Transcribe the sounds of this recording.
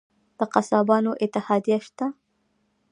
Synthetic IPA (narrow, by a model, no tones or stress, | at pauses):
d̪̥əqasɑbɑnoʔɪt̪ɪhɑd̪ijaʃt̪a